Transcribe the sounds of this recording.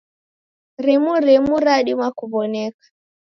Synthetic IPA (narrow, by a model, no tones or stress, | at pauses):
ɾimuɾimuɾaɗimwakuβɔnɛkḁ